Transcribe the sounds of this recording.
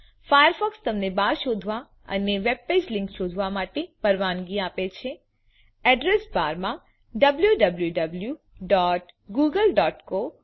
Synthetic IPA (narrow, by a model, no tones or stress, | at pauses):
fajəɾfɔkst̪əmnebaɾʃod̪ʱʋa | ə̰neʋeb̚ped͡ʒlɪ̃ŋkʃod̪ʱʋamaʈepəɾʋanɡiapet͡ʃʰe | ɛɖɾesbaɾmã | ɖəbljuɖəbljuɖəblju | ɖɔːʈ | ɡuɡəlɖɔːʈko